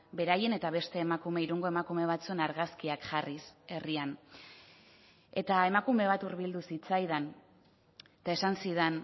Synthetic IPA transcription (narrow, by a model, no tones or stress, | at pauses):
be̞ɾaje̞ne̞t̪aβe̞st̪e̞ːmakume̞iɾuŋɡo̞e̞makume̞β̞at͡sue̞naɾɣaskiakʝarise̞rian | e̞t̪ae̞makume̞β̞at̪uɾβild̪usit͡sajðan | t̪ae̞sansiðen